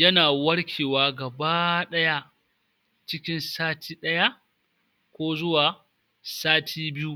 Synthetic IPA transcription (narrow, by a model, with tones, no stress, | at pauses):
jɐ˦naː˨wɐ˦ɽkʲʰeː˨waː˦ɡɐ˨baː˦ɗɐ˦ja˦ʔ | t͡ʃɪ˦kʲɪ˦nsaː˦tʰiː˦ɗɐ˦ja˦ʔ | kʷoː˦zʊ˦waː˨ | saː˦tʰiː˦bɪ˦ju˦